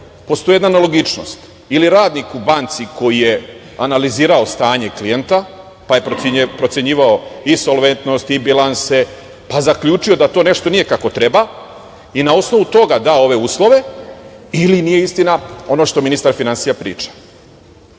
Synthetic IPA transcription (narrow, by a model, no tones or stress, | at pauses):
po̞st̪o̞jejd̪naneloɡit͡ʃno̞̰st̪ | iliɾaːd̪nikubant̪siko̞jije̞ | analiziːɾao̞st̪aːɲe̞klije̞nt̪a | pajepɾo̞t̪se̞ɲiːʋao̞iso̞lˠʋe̞nt̪no̞st̪ibilˠanse̞ | pazakʎʲuːt͡ʃijo̞d̪at̪o̞ːne̞ʃt̪o̞nije̞kako̞t̪ɾe̞ba | inao̞sno̞ʋut̪o̞ɡad̪aːo̞ʋe̞uːslˠo̞ʋe̞ | ilinije̞ist̪inao̞no̞ʃt̪ominist̪aɾfinansijapɾḭːt͡ʃḁ